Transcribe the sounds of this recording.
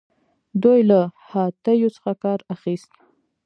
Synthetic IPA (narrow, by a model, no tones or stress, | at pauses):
d̪ujlahɑt̪əjot͡sə̥xakɑɾaxist̪